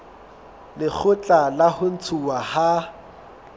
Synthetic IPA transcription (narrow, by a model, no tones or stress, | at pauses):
lɪk͡xʰʊt͡ɬʼalahʊn̩t͡sʰuwaha